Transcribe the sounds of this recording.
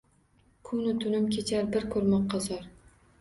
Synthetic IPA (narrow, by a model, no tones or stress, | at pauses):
kʰʊnʊt̪ʰʊnɪmkʲʰet͡ʃʰaɾbɪɾkʰɵɾmɒqːɑzɒɾ